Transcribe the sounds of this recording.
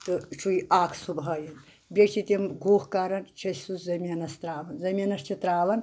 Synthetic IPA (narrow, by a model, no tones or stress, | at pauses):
t̪ɨt͡ʃʰuiʔaːkʰsubɦɐːjin | bʲɐt͡ʃʰit̪ʲimɡʱoːhkaːɾɐnt͡ʃʰɐsʲsuszɐmʲɐnɐst̪ɾaːʋɐnzɐmʲɐnɐst͡ʃʰit̪ɾaːʋɐn